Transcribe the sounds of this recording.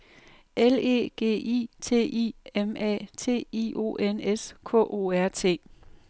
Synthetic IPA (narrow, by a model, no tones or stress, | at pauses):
ele̝̰ːɡ̥e̝̰ːʔḭːt͡sʰe̝̰ːʔiemɛ̰ːt͡sʰe̝̰ːiʔo̝̰ːʔeneskʰɔ̰̽ʔo̝̰ːæɐ̰t͡sʰe̝̰ː